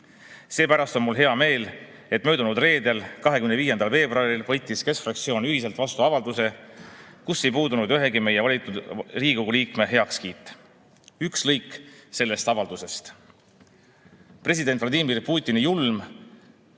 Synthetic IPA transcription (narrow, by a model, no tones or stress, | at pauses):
se̞ːpæɾɑst̪o̞nmulɦe̞ɑme̞ːl | e̞t̪ːˑmøːd̪unud̪re̞ːd̪e̞lkɑɦe̞kymneviːje̞nd̪ɑlve̞ːbroɑɾilvɤ̞jt̪ːˑiske̞sfrɑk̚t̪sio̞ːnyɦise̞lt̪vɑst̪uɑvɑld̪use̞ | kusːe̞jpuːd̪unud̪yɦe̞ɡime̞je̞vɑlʲit̪ːˑud̪riːɡ̥uɡuliːkme̞ɦe̞ɑkskiːt̪ːˑ | ykslɤjkːˑse̞lːe̞st̪ɑvɑld̪̥use̞st̪ | pre̞s̬id̪̥e̞nt̪fvlɑd̪imirpuːt̪ʲːˑinijulm